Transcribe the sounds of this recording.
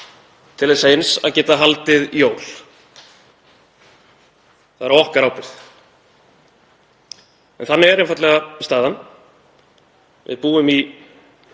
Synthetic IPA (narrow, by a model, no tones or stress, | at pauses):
t̪ʰɪlaðsejnsa̰ðcɛːt̪aɦalt̪ɪðijoːwl | θaðɾɔhkaɾawpɪɾθ | ɛnθanːɪɛɾenfat̪lɛɣast̪aːðanː | vɪ̰ðpuːʏmi